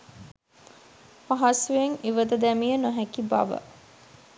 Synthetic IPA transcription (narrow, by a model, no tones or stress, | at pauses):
maɦasueŋiʋəd̪əd̪æmijənoɦækiba̰ʋə̰